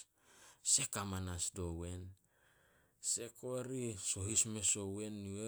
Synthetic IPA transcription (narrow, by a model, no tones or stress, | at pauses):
se̞kamanasdo̞we̞n | se̞koɾiso̞ɦisme̞so̞we̞nːue